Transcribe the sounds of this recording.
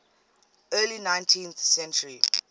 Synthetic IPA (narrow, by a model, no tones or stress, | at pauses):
ɜːlinãɪ̃ntʰĩnθsɛ̃nt͡ʃəɹi